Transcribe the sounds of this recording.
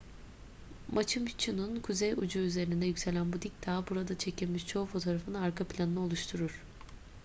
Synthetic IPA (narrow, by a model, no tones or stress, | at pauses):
mat͡ʃʰɯmt͡ʃʰɯnunkʰuzejud͡ʒuyze̞ɾind̪ɛjycse̞lʲænbud̪ic̚t̪ʰaːbuɾad̪at͡ʃʰe̞cʰilʲmiʃt͡ʃʰo̞ufo̞t̪ʰo̞ːɾafɯnaɾkʰaplʲanɯnɯo̞lˠuʃt̪ʰuɾuɾ̥